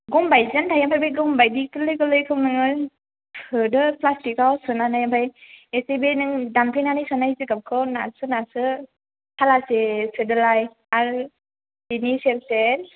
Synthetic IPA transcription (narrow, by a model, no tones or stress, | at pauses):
ɡɔmbajzɯntʰajampʰajbajɡɔmbajdikɯlɯjkɯlɯjkʰɯwnɯŋɯ | pʰɯdɯplastikawsɯnanajampʰajesebenɯŋdantʰajnanajsɯnajzɯkap̚kʰɯwnasɯnasɯ | hʰalasesɯdɯlaj | aɾ | iniselsen